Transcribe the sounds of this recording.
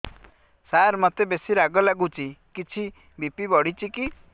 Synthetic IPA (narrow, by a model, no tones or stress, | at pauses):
saɾmɔt̪ebesiɾaɡɔlaɡut͡ʃʰikit͡ʃʰi | bipibɔɽ̤it͡ʃiki